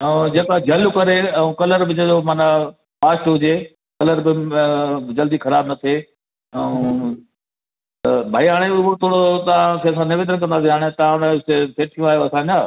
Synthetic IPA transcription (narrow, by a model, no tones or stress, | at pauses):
ɛ̃d͡ʑeːkad͡ʑɐlʊkɐɾeɛũkɐləɾbɪd͡ʑeomaːna | paːsɦʊd͡ʑe | kɐləɾbɪ | d͡ʑɐld̪ixʰɐɾaːbnɐt̪ʰeː | ɛ̃ | t̪ɐbʱaːiɦaːɽ̃ebɪt̪ʰoːɽot̪ɐʋãkʰeɐs̬ãnɪʋeːd̪̬ənkɐ̃nd̪aːs̬iɦaːɽ̃et̪ɐʋãɽ̃ẽʊst̪eseːʈʰijũaːɦjoɐsãːɲd͡ʑaː